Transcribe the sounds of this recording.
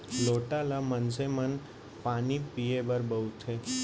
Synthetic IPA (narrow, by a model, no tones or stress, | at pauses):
loʈalamənsemən | panipiebəɾbəut̪ʰe